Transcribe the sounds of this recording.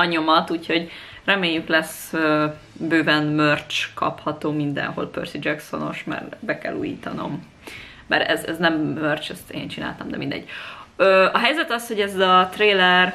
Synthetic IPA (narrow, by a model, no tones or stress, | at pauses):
ɒɲomɒt̪uːcho̞ɟ | rɛmeːjːyklɛs | ø | bøːbɛnmørt͡ʃkɒ̰phɒt̪oːmind̪ɛ̰nɦo̞̰lpø̰rsid͡ʒɛkso̞̰no̞̰ʃmɛ̰rbɛkɛ̰lːṵːjḭːt̪ɒno̞̰mː | ɛ̰ɾɛ̰zɛznɛmːørt͡ʃɛst̪ḛːnt͡ʃina̰ːlt̪ɒmd̪ɛmind̪ɛ̰ɟ̥̚øːɒɦɛjzɛt̪ɒsho̞ɟɛzɒt̪reːlɛr